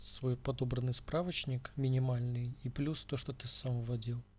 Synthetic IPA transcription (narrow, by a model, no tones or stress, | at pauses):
svo̞jpɐd̪o̞bɾənːɨjspɾavət͡ɕnʲɪkmʲɪnʲɪmalʲnɨjiplʲust̪oʂt̪ot̪ɨsamvɐdʲilˠ